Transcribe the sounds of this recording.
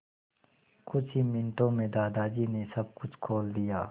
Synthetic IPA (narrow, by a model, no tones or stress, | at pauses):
kʊt͡ʃʰɦimɪnʈõːmẽd̪aːd̪aːd͡ʒiːnesɐb̚kʊt͡ʃʰkʰoːld̪ijaː